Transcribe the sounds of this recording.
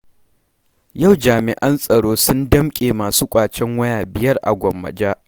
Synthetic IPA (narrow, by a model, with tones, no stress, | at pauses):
ja˦˨wd͡ʒaː˨mɪ˨ʔɐ˦nsʼɐ˨ɽoː˦sʊ˦ndɐ˦mkʲʼeː˨maː˨suː˦kʷʼaː˨t͡ʃɛ˦ŋwɐ˦jaː˨bɪ˨jɐ˦rʔa̰˨ɡʷɔ˨mːɐ̰˨d͡ʒaː˦ʔ